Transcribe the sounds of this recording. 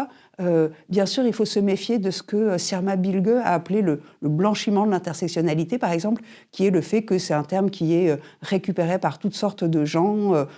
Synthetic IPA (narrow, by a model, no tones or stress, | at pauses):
øbjɛ̃syʁilfosəmefjed̪əsə̥kəøsɛʁmabilɡøa̰ːplelələblɑ̃ʃimɑ̃d̪əlɛ̃t̪ɛʁsɛksjɔnalit̪epaʁɛɡzɑ̃pl | kʲiɛləfɛkəsɛt̪ɛ̃t̪ɛʁmkʲʰiɛø | ʁekʲypeʁepaʁt̪ut̪sɔʁt̪d̪əʒɑ̃ø